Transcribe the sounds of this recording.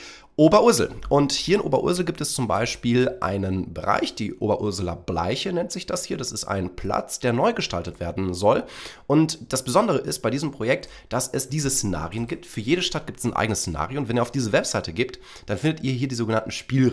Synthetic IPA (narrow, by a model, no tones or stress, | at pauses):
ʔoːbɐʔʊɐzl̩ʔʊnthiːɐɪnʔo̰ːbɐʔʊ̰ɐzl̩ɡiːp̚tɛst͡sʊmba̰ɪʃpiːlʔa̰ɪnənbəʁa̰ɪçd̥ḭːʔʔo̰ːbɐʔʊɐzlɐ̰bla̰ɪçənɛntz̥ɪçd̥ashiːɐdasɪstʔa̰ɪnpʰl̥a̰t͡sd̥eːɐnɔʏɡəʃtaltətv̥eːɐdn̩zɔlʔʊntd̥asb̥əzɔndəʁəʔɪst̚b̥aɪdiːzəmpʁ̥ojɛk̚t | d̥asɛsd̥iːzəst͡sena̰ːʁiənɡiːp̚tfyːɐjeːɾəʃtat̚ɡ̥iːptɛsnʔa̰ɪɡənəst͡sena̰ːʁjoʊntv̥ɛniːɐaʊfd̥iːzəvɛpz̥aɪtəɡiːpt | d̥anfɪndətʔiːɐɦiːɐdiːzoːɡənantn̩ʃpiːl